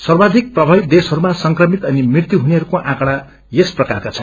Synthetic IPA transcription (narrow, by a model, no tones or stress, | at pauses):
sʌrbad̪ʱik̚prʌbʱʌbid̪esɦʌɾumasʌŋkrʌmit̪ʌnimrirt̪juɦuneʌɾukoʔãkɽa | jesprʌkarkat͡sʰʌ̃n